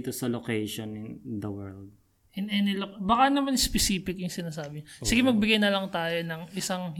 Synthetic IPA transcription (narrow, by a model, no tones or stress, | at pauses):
t̪osɐlokejʃonɪnd̪ɐwɛɹld̪̚ | ʔɛnɛnɪlokbɐkanɐmanspɛsiːpɪkjʊŋsɪnaːs̬aːbɪɲasiɡɪmɐɡ̚bɪɡɐjnɐlɐŋt̪aːjonɐŋʔɪsaŋ